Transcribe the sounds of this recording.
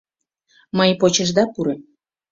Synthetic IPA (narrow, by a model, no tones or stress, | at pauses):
məjpot͡ɕəʒd̪ɑpuɾem